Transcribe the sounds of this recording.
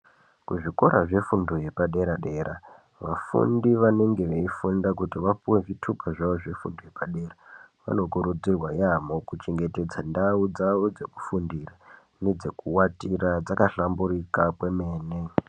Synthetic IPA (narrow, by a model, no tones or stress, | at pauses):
kuʐiko̞ɾaʐe̞fundoje̞paɗe̞ɾaɗe̞ːɾʔa | ʋafṵndiʋane̞ŋɡe̞ʋeifundakutiʋapuwe̞ʐitʰukaʐaʋo̞ʐe̞fṵndojepaɗe̞ːraʋa̰no̞kuɾud͡zirwajamokut͡ʃeŋɡe̞te̞d͡zandaud͡zaʋo̞d͡ze̞ku̥fundira | ne̞d͡ze̞kuwatirad͡zakaɬamburikakwe̞me̞ːne